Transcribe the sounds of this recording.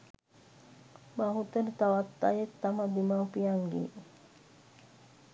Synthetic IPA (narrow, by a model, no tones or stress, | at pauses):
maɦut̪ənt̪awat̪ːa̰jit̪ːamad̪imapiaŋɡḭ